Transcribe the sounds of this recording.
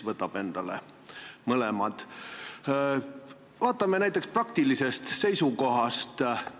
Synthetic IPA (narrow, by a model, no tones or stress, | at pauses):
vɤt̪ːˑɑb̥e̞nd̪̥ɑlḛ | mɤlɛmɑd̪̥ | vɑːt̪ːˑɑmenæjt̪ːˑeksprɑk̚t̪ilise̞st̪se̞jsuko̞ɦɑst̪